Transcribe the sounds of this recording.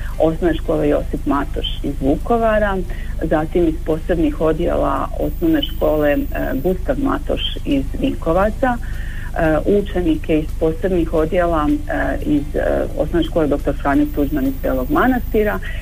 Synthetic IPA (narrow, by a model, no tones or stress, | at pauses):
o̞snoʋneʃko̞ːle̞jo̞̰sipmat̪o̞ʃizʋuko̞ʋaɾazat̪imispo̞ːse̞bnixo̞d̪jḛlˠa̰o̞̰snoʋne̞ʃko̞ːle̞ɡust̪aʋma̰t̪o̰ʃizʋiko̞ʋat̪sa | ʔut͡ʃe̞nike̞ispo̞ːse̞bnixo̞d̪je̞lˠaizo̰snoʋneʃkoled̪o̞kt̪o̞ɾfɾaːɲot̪uʒmanizb̪eːlˠo̞ɡmanast̪iɾa